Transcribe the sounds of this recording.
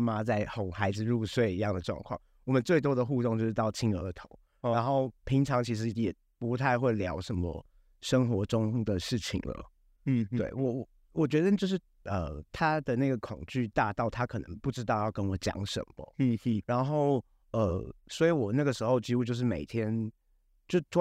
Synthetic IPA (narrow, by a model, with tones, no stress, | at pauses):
ma˦t͡sa˥˩ɪxo˨˩xa˧˥ɪd͡zɹ̩˨˧ɻu˥˧swe˥˧ɪi˧˥jɑ˥˩ŋd̪ə˩ʈ͡ʂwɑ̰˥˧ŋkʰwɑ̰˥˩ŋ | wɔ˨˩mə˨˦nt͡swe˥˩ɪt̪wɔ˥d̪ə˨xu˥˧t̪o˥˧ŋt͡ɕjo˥˧ʊʂɻ̩˥˧t̪ɑ˥˩ʊt͡ɕʰi˥ŋə˧˥˧t̪ʰo˧˦ʊ | a˧˦nxo˥˩ʊpʰi˧˥ŋʈ͡ʂʰɑ˧˥ŋt͡ɕʰi˧˥ʂɻ̩˧˥jɛ˨˩ | pu˧˥t̪ʰa˥˧ɪxwe˥˩ɪljɑ˧˥ʊʂə˧˦mə̰˧ | ʂə˥ŋxwɔ˧˥ʈ͡ʂʊ˥ŋd̪ə˨ʂɻ̩˥˩t͡ɕʰḭ˨˩ŋlə̰˦˧ | we˥˩ɪwɔ˨˩wɔ˨˩ | wɔ˨˩t͡ɕɥɛ˧˥d̪ə˧t͡ɕjo˥˧ʊʂ̬ɻ̩˥˩ | ə˨˩t̪ʰa˥d̪ə˨na˥˩ɡə˩kʰʊ˨˩ŋt͡ɕy˥˧˩t̪a˥˧t̪ɑ˥˩ʊt̪ʰa˥kʰɤ˨˩nə̰˧˦ŋpu˥˩ʈ͡ʂɻ̩˥t̪ɑ˥˧ʊjɑ˥˩ʊkə˥nwɔ˨˩˦t͡ɕjɑ̰˧˥ŋʂə̰˨˩nbə̰˨˦˧ɻa˧˥nxo˥˩ʊ | ə˩swɔ˧˥i˧˥wɔ˨˩na˥˩ɡə˩ʂɻ̩˧˥xo˥˧ʊt͡ɕi˥u˥˧t͡ɕjo˥˧ʊʂ̬̩˥˩me˨˩ɪt̪ʰjɛ˥n | t͡ɕjo˥˧ʊ˥